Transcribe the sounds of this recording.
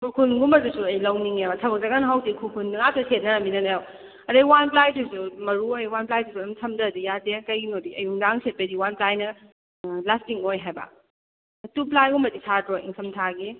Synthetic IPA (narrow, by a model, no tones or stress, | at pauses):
bukʰunɡumɐdusuɐjlɐwniŋebatʰɐbɐk̚zaɡanɐɦawdikʰukʰunːɐŋatʰɐsʰet̚nɐminɐnajaw | ɐdɐwanplajtʰusumɐɾuojwanplajtʰusuɐmtʰɐmdɐdujadekɐjɡinodiʔɐ̰juŋdaŋset̚pediwanplajnɐ | lastiŋojɦajbɐ̰ | ɐtuplajumɐtisʰadɾoʔḭŋsʰɐmtʰaɡi